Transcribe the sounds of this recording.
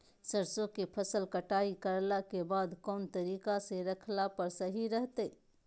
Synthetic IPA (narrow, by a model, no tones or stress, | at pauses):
səɾsõkepʰəsəlkɐʈaːikɐɾlakebaːd̪kɔːnt̪ɐɾiːkaseɾɐkʰlapɐɾsɐɦiɾəɦt̪eː